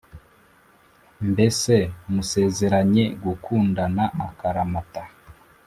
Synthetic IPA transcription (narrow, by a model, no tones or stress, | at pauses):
mbe̞semuse̞ːze̞ɾaɲe̞ɡukuːndanaʔakaɾamata